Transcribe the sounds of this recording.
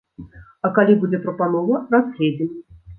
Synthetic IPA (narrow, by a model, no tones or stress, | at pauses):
ɐkalʲibud͡zʲɛpɾəpanɔvɐraslʲed͡zʲɪmʲ